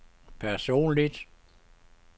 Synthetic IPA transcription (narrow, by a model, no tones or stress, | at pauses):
pʰæɐso̝̰ːnlid̥